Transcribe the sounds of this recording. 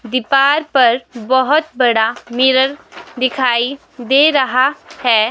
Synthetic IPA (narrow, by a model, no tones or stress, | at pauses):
d̪ɪpaːɾpɐɾbɐɦʊt̪̚bɐɽamɪɾəɾd̪ɪkʰaːi | d̪eːɾɐɦahɛː